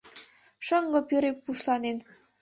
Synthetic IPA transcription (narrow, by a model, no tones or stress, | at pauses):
ʃəŋɡɤ̆pøɾepːuʃlɑnen